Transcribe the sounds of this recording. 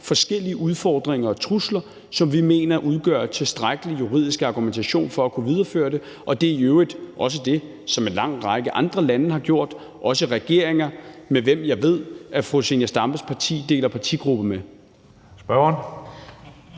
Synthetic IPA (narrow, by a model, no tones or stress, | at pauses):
fɒ̽sɡ̥el̰iəʔuð̞ˠfɒ̰ːd̥ʁeŋɐɒ̽t͡sʰʁuslɐ | sɒ̽mʋime̝̰ːnɐʔuð̞ˠɡ̥ɶ̰ɐt͡sʰe̝sd̥ʁaɡ̥əlijuʁḭð̰ˠisɡ̥ɑ̈ɡ̥ument͡sʰæɕo̝̰ːnfɒ̽ækʰuʋið̞ˠɐfø̰ːɐde̝ | ʔɒ̽d̥e̝æøʊʁid̥ʔɒ̽s̬əd̥e̝ | sɒ̽menlɑ̈ŋ̰ʁɑ̈ɡ̥əʔɑ̈nd̥ʁɐlænəɦɑ̈ɡ̥jo̝ɐ̰d̥ | ʔɒ̽səʁɛɡ̥e̝ɐ̰e̝ŋɐmeʋem̰jɑ̈ɪʋe̝ð̞̰ˠʔæfʁosenæsd̥ɑ̈mb̥əspʰɑ̈t͡sʰḭːd̥e̝̰ːlɐpʰɑ̈t͡sʰiɡ̥ʁub̥əme | sb̥ɶn